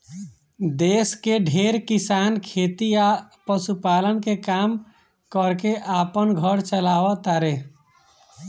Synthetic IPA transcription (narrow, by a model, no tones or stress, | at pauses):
d̪eːskeɖʱeːɾkɪsaːnkʰeːt̪ijapəsupaːlənkekaːm | kəɾkeʔaːpənɡʱəɾt͡ʃəlaːʋət̪aɾe